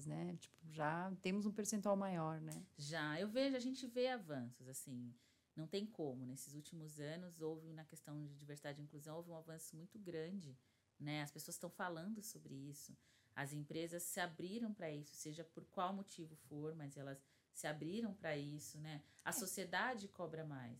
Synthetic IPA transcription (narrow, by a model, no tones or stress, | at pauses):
znɛt͡ʃi̥pʊʒat̪ẽmʊzũpeɾsẽnt̪uawmajɔɾnɛʒaewveʒʊaʒẽnt͡ʃɪveavɐ̃sʊzasĩ | nɐ̃w̃t̪ẽj̃kʰõmʊnesɪzut͡ʃimʊzɐ̃nʊzowvɪnɐkest̪ɐ̃w̃d͡ʒɪd͡ʒiveɾsid̪ad͡ʒɪd͡ʒɪĩkluzɐ̃w̃owvɪũavɐ̃sʊmũj̃t̪ʊɡɾɐ̃d͡ʒɪ | nɛɐspesoɐsst̪ɐ̃w̃falɐ̃nd̪ʊsobɾɪisʊ | ɐzẽmpɾezɐsːɪabɾiɾɐ̃w̃pɾɐisʊ̥seʒɐpoɾkwawmot͡ʃivʊfoɾmɐzɛlɐsː | ɪabɾiɾɐ̃w̃pɾɐisʊnɛɐssosied̪ad͡ʒɪkɔbɾɐmajs